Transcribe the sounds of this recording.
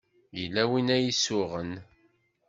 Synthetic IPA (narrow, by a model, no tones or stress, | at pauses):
jəlːæwinæjisːʊʁən